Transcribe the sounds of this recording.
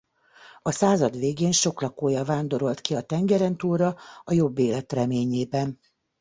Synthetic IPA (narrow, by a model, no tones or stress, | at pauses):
ɒsaːzɒd̪ʋeːɡeːnʃo̞klɒkoːjɒvaːnd̪o̞ɾo̞lt̪kiɒt̪ɛŋɡɛɾɛnt̪uːɾɒɒjo̞bːeːlɛt̪rɛmeːɲeːbɛn